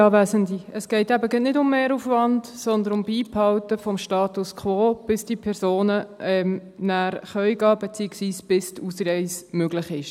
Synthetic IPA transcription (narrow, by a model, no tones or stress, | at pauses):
ɑːvæːzəndiəsɡ̥ɛɪtæbəɡɛnɪdʊmːeːɾufvɑndsɔnd̪ənʊmbiːphɑltəfɔmʃtɑːtuskʰʋoːb̥ɪsd̥iːpʰɛɾzoːnəɛmnæːɾχœʏɡɑːb̥ɛt͡siəksʋiːsb̥ɪstuːsɾɛɪsmøɡlɪχɪʃ